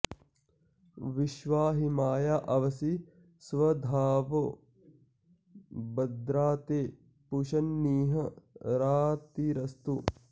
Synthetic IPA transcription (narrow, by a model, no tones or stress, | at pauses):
ʋiʃʋaːɦimaːjaːʔɐʋɐsi | sʋɐd̪ʱaːʋo | bɐd̪ɾaːt̪eː | puʃɐnːiːɦɐɾaːt̪iɾɐst̪u